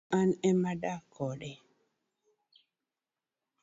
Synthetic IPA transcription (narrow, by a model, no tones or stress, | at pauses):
anɛmaɗakːɔɗɛ